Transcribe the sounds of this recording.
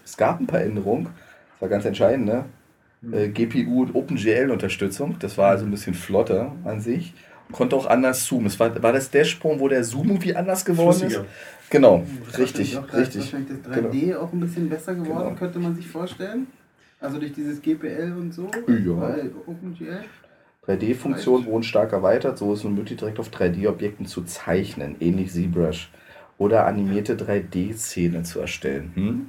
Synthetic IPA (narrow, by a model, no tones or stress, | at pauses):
ɛsɡ̥aːpn̩pʰaːɐʔɛndəʁʊŋ | sv̥aːɐɡant͡sɛntʃaɪdn̩tdə | ʔɛːɡeːpʰeːʔuːʊntʔoːpn̩ʒeːɛlʊntɐʃtʏt͡sʊŋd̥asv̥aːɐalzonbɪsçənflɔtəʔanzɪç | kʰɔntəaʊxʔa̰ndɐsz̥uːmdasv̥aːɐvaːɐdasd̥eːɐʃpʁ̥ʊŋvoːɾeːɐzuːmv̥iːʔandɐsɡ̥əvɔɐdn̩ɪ | ɡ̥ənaʊʁɪçtɪçʁɪçtɪçaɪnlɪçd̥asd̥ʁaɡəeːaʊxn̩bɪsçənbɛsɐɡəvɔɐnːkʰœntəmanzɪçfoːɐʃtɛlən | ʔalzodʊɐçd̥iːzəsɡ̥eːpʰeʔɛlʊntz̥oːjaːoʊpn̩d͡ʒiɛ | d̥ʁaɪdeːfʊŋkt͡sjoːnənvoɐdn̩ʃtaɐkɛɐvaɪtɐtz̥oːɪstnuːnmøːklɪçdiːʁɛk̚taʊfd̥ʁaɪdeːɔpjɛk̚tn̩t͡sut͡saɪçnə̰nʔɛːnlɪçz̥iːbʁɛʃ | ʔoːɾɐʔa̰nimiːɐtədʁaɪdeːseːnət͡suɛ̰ɐʃtɛ̰lənm̩